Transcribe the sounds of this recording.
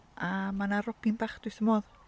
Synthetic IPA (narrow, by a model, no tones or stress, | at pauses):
amanaɾɔpinbaχd̥ʊwjθəmɔð